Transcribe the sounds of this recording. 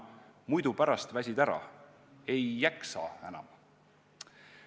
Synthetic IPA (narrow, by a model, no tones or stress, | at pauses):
mujd̪upæɾɑst̪væsʲid̪æɾɑ̰ | e̞jːæksɑ̰ːenɑ̰m